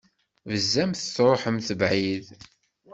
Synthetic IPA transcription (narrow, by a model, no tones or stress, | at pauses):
vəzːæmθət͡sːɾˤoħəmθəvʕið